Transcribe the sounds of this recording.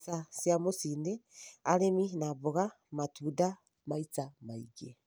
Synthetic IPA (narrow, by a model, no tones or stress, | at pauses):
sasjamosiːndealeminaβuɣa | matʰuːda | mait͡samaiɡe